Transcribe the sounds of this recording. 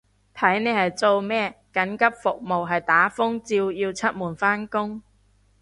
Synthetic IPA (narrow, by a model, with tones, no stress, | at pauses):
t̪ʰɐ˨˥jne˨˧hɐ˨jt͡so˧wmɛː˥kɐ˨˥nkɐ˥p̚fʊ˨k̚mo˨wɦɐ˨jt̪aː˨˥fʊ˥ŋt͡siː˧wjiː˧wt͡sʰɐ˥t̚muː˨˩nfaː˥nkʊ˥ŋ